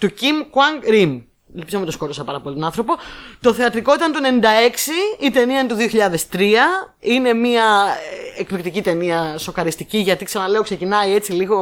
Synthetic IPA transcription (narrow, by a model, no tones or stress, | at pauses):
t̪ucimkwɐŋɡɾim | elpizomet̪osko̞ɾosɐpɐɾɐpo̞lit̪onɐnθɾo̞po̞t̪o̞θe̞ɐt̪ɾiko̞it̪ɐnt̪oene̞nind̪ɐe̞ksiːt̪e̞niɐinet̪uðioçiʎɐðe̞st̪ɾiɐine̞miɐ | ekpikt̪icit̪e̞niɐso̞kɐɾist̪iciʝɐt̪iksɐnɐle̞okse̞cinɐie̞t͡siliɣo̞